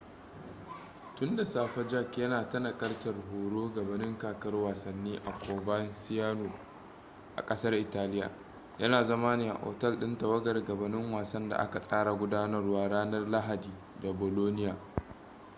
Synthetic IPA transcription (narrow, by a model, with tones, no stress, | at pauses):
tʊ˦nda˨saː˦˨ɸɐ˦d͡ʒɐ˦kjɐ˦naː˨tɐ˦nɐ˨kʼɐ˦rtɐ˨rɦoː˨ɽoː˦ɡɐ˨bɐ˨nɪ˦ŋkaː˨kɐ˦rwaː˨sɐ˨nːiː˦ʔa̰˨kʷoː˨bɐ˦nsɪ˦jaː˦noː˨ | ʔa̰˨kʼɐ˦sɐ˦rʔɪ˨taː˦lɪ˦ja̰ː˨ | jɐ˦naː˨zɐ˦ma˦nɪ˦˨a̰˨ʔo̰ː˨tɐ˦˨lɗɪ˦ntɐ˨wɐ˦ɡɐ˨rɡɐ˨bɐ˨nɪ˦ŋwaː˨sɐ˦nda̰˨ʔa̰˦ka˨sʼaː˦ɽa˨ɡʷʊ˦daː˦nɐ˦rwaː˦ɽaː˦nɐ˦rla˦ɦa˨diː˨ | da˨boː˨loː˦nɪ˦jaː˨